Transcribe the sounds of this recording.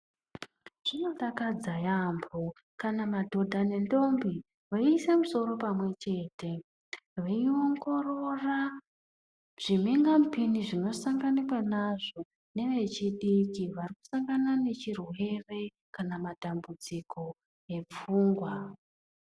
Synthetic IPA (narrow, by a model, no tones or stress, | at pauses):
ʐ̥ino̞takad͡zajambo | kanamadʱo̞dʱane̞ndo̞mbi | ʋaiːse̞muso̞ɾo̞pamwe̞t͡ʃe̞ːtʰe̞ | ʋaio̞ŋɡo̞ro̞ra | ʐ̥imiŋɡamupiniʐino̞saŋɡanikwanaʐo̞ | ne̞ʋe̞t͡ʃiɗikiʋariku̥saŋɡanane̞t͡ʃirwe̞re̞ | kanamatambud͡zikʰo̞ | e̞p͡fuːŋɡwa